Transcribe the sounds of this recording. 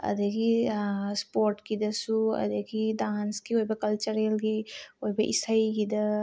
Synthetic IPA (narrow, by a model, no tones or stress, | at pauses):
ə̰d̪ekispoːɾʈkid̪əsuɐ̰d̪ekid̪aːnskioɦibekɐlt͡ʃəɾelɡioibeʔḭsəikid̪ə